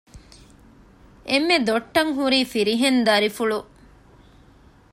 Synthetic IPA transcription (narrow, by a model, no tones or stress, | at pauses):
ʔemːed̪oʈːɐŋɦuɾiːfiɾiɦend̪ɐɾifuɭu